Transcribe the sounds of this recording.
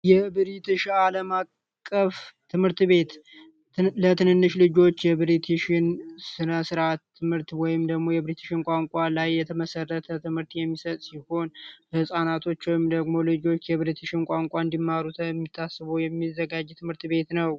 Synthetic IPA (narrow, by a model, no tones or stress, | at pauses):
jɛbɨɾit̪ɨʃaləmakʼː | əft̪ʰɨmhɨɾt̪βe̞t̪ | lət̪ʰɨnɨnːɨʃlɨd͡ʒo̞t͡ʃːjɛbɾit̪ʰɨʃɪnsɨnəsɨɾat̪ʰːɨmhɨɾt̪wɔjɪmd̪əɡmo̞jɛbɾit̪ʰɨʃɪnkʷʼaŋkʼalajːɛt̪ʰəməsərːət̪ʰət̪ʰɨmhɨɾt̪jɛmːisət̪ʼsiho̞nbəhɨsʼanat̪ʰo̞t͡ʃːwɔjɪmd̪əɡmolɨd͡ʒo̞t͡ʃːjɛβɾit̪ʰɨʃɪnkʷʼaŋkʷʼaɨnd̪imːaɾut̪ʰmːit̪ʰːasːɨβəwjɛmːizːəɡad͡ʒt̪ʰɨmɨɾt̪be̞t̪nəw